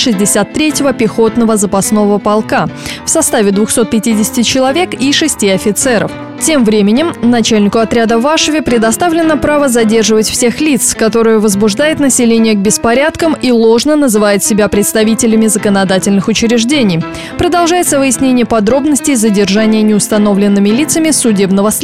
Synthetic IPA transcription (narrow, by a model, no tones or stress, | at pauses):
ʂɨzʲdʲɪsʲat̪ːɾʲetʲɪvəpʲɪxo̞t̪nəvəzəpɐsno̞vəpɐlˠkafsɐst̪avʲɪd̪vʊxso̞t̪̚pʲɪtʲidʲɪsʲɪ̥tʲɪt͡ɕɪlˠɐvʲe̞kiʂɨsʲtʲiɐfʲɪt̪sɛɾə̰f | tʲe̞mvɾʲemʲɪnʲɪmnɐt͡ɕælʲnʲɪkʊɐt̪ɾʲad̪əvaʂəvʲɪpɾʲɪd̪ɐst̪avlʲɪnːəpɾavəzɐdʲe̞rʐɨvətʲfsʲe̞xlʲit̪skɐt̪o̞ɾɨjəvəzbʊʐd̪ajɪt̪nəsʲɪlʲenʲɪjəɡ̚bʲɪspɐɾʲat̪kəmilˠo̞ʐnənəzɨvajɪt̪sʲɪbʲapɾʲɪt̪st̪ɐvʲitʲɪlʲɪmʲɪzəkənɐd̪atʲɪlʲnɨxʊt͡ɕɪɾʲɪʐdʲenʲɪj | pɾəd̪ɐlˠʐajɪt̪səvɨjɪsʲnʲenʲɪjəpɐd̪ɾo̞bnəsʲtʲɪjzədʲɪrʐanʲɪjənʲɪʊst̪ɐno̞vlʲɪnːɨmʲɪlʲit̪səmʲɪsʊdʲe̞bnəvəs